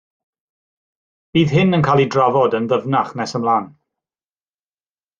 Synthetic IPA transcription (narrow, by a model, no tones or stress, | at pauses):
b̥iːðɦɪnənkʰaːlˠidravɔdənðəvnaχnɛsəmlˠaːn